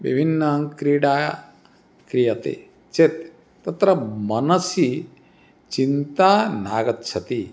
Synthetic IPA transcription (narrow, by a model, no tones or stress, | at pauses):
bḭbʱinːɐŋkɾiːɽaː | kɾijɐt̪ḛ | t͡ʃet̪ː | ɐt̪ɾɐmɐnɐsi | t͡ʃint̪aːnaːɡɐt̪t͡ʃʰɐt̪i